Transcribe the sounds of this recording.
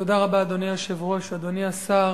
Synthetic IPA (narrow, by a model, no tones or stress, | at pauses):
to̞daʁabaːd̪o̞niaʃevʁo̞ʃad̪o̞niasa